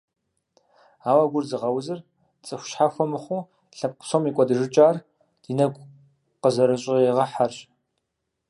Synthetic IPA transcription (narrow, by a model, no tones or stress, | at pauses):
aːwɐɡʷʊrzɨʁɐwzɨr | t͡sʼɨxʷʃħafʷɔmɨχʷʊ | ɬɐp̚qʊ̥somikʷʼɔdɨʒɨt͡ʃʼaːr | d̥inɐɡʷ | qəzɐɾɨɕʼɪeʁɐħarɕʼ